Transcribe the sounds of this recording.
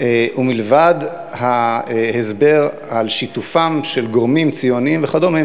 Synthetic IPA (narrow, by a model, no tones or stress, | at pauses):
eʔumilvad | hahezbe̞ʁ | alʃit̪ufamʃelɡoʁmimt͡sijoniimveχadomim